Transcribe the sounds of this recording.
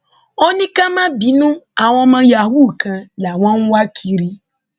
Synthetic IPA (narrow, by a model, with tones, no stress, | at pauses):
o˦nĩ˦kã˦mã˦bi˨˦nũ˦a˨w̃ɔ̃˨mã˨˦ja˨ɦu˦˨kã˨la˨w̃ɔ̃˦ŋ˦wa˦kʰi˨ɾi˦